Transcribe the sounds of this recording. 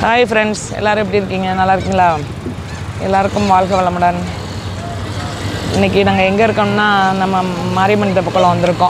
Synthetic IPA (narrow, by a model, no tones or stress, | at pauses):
haːjfɾɛɳɖsɛ̰lːaːɾɯmɛpːɐɽiɪɾɯkːiːŋɡɐnɐlːaːɪɾɯkːiːŋɡɐlaː | ɛ̰lːaːɾɯkːɯmʋaːɭɣɐʋɐɭɐmaːɽaːn | ɪ̰nːɪkːɯnaːŋɡɐɛŋɡɐɪɾɯkːɐmnːaːnɐmːɐmaːɾimɐnːɪt̪ːɐpɔkːɐɭɔ̃ʋɐnd̪ɪɾɯkːõ